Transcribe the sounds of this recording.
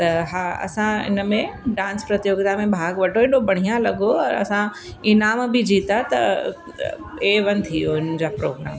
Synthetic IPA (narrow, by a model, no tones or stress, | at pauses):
t̪ɐɦaːɐ̰sãɪ̰nəmẽɖãːnspɾɐt̪ijoːɡt̪amẽbʱaːɡʋɐʈʰoeːɗobɐɽ̤̃ijãlɐɡoɐɾɐ̰sã | ɪnaːmbɪd͡ʑiːt̪at̪ɐ̰ | eːʋɐnt̪ʰijoɪnd͡ʑaːpɾoːɡɾa̰ːm